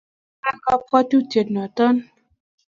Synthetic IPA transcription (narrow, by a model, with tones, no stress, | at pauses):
a˦kɔ˧pkɔ˦tu˦˨te˨tnɔ˨tɔ˦n˦